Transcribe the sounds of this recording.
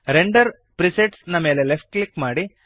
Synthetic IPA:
ɾeɳɖɐɾ | pɾiseʈsnɐmeːlelepʰʈ̚klikmaːɽi

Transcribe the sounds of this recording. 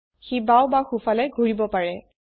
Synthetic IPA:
xibawbaxufalɛɡʱuɹibɔpaɹɛ

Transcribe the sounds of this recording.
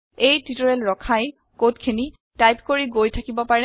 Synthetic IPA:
ejtitɔɹɛlɹɔkʰaj | kotkʰini | tajpkoɹiɡojtʰakibɔpaɹɛ

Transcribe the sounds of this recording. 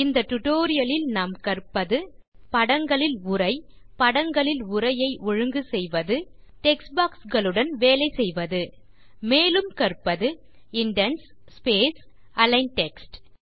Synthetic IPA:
ɪnd̪ɐʈʊʈoːɾɪjɐlɪlnaːmkɐrpːɐðɯ | pɐɽɐŋɡɐɭɪlʊɾɐɪ | pɐɽɐŋɡɐɭɪlʊɾɐjɐɪʔɔɻɯŋɡɯsɛjʋɐðɯ | ʈɛks̚baːksɡɐɭɯɽɐnʋeːlɐɪsɛjʋɐðɯ | meːlɯmkɐrpːɐðɯ | ɪɳɖɐnsspeːs | ɐlɐɪnʈɛksʈ

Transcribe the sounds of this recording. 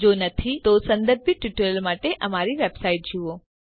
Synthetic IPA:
d͡ʒonət̪ʰit̪osə̃nd̪əɾbiʈuʈəɾəlmaʈeʔəmaɾiʋebsaiʈ̚d͡ʒuo

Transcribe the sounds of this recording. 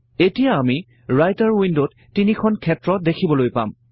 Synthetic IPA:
etijaːmi | ɹajtaɹwindotːinikʰɔnkʰɛtɹɔdekʰibɔlojpa̰m

